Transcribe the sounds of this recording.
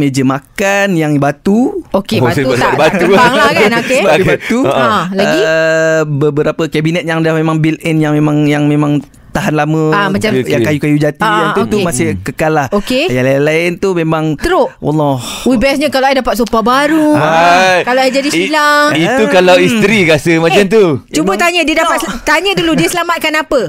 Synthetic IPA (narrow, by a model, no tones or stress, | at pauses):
med͡ʒəmakanjaŋbat̪uokebaaabatt̪uaŋllaknokeabat̪ulaəi | bəbəɾapəkɛbinɛt̪̚jaŋdahmemãŋbilɛnjaŋmemãŋjaŋmẽmãŋ | t̪aɦanlamə̃amat͡ʃajaŋkajukajud͡ʒat̪ianut̪umasɪhkəkalahokejalalaɪnt̪umemãŋəɾoʔwʔa̰lːɔhuibaas̬ɲakalaajdapat̪̚supabaɾuwakalaajd͡ʒadisilaŋit̪ukalawist̪ɾiɡasəmat͡ʃamt̪ut͡ʃubət̪aɲədiədapat̪st̪aɲəduludiəsəlamat̪̚kanapə